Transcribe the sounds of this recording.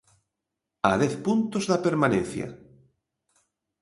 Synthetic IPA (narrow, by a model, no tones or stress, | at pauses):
a̰ðɛθpunt̪ozðapeɾmanẽn̟θja̰